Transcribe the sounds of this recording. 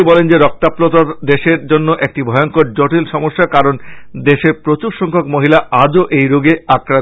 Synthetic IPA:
ibɔlend͡ʑeɾɔk̚t̪aplot̪aɾd̪eʃeɾd͡ʑonːoʔek̚ʈibʱɔjoŋkoɾd͡ʑoʈilʃɔmoʃːakaɾond̪eʃeɾpɾot͡ɕuɾʃɔŋkʰokmoɦilaad͡ʑoʔejɾoɡeakɾa

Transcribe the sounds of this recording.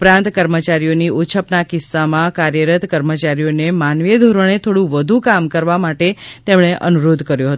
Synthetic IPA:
pɾãnt̪kəɾmət͡ʃaɾijoniut͡ʃʰəpnakɪsːamãkaɾjəɾət̪kəɾmət͡ʃaɾijonemanʋijəd̪ʱoɾəɽ̃et̪ʰoɽũʋəd̪ʱukamkəɾʋamaʈet̪emɽ̃eʔənuɾod̪ʱkəɾjõɦət̪

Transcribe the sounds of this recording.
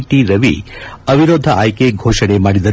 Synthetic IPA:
ʈiɾɐʋḭɐʋiɾoːd̪ʱɐaːjkeɡʱoːʂɐɽemaːɽid̪ɐɾ

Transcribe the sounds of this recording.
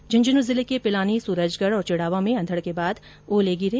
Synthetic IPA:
d͡ʒɐnd͡ʒənuzɪlekepɪlaːnisuːɾəd͡ʒɡəɽɔːɾt͡ʃɪɽaːʋãmẽɐ̃nd̪ʱəɽkebaːd̪ | ʋoːleːɡiɾe

